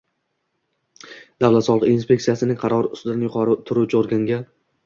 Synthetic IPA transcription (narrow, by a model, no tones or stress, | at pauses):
d̪avlat̪sɒlˠqinspʲe̞k̚t̪ijasɪnɪŋqʰɑɾɒɾɪʊ̰st̪ʊd̪anjʊqʰɒɾɪt̪ʰʊɾut͡ʃʰoɾɡʲaŋɡʲa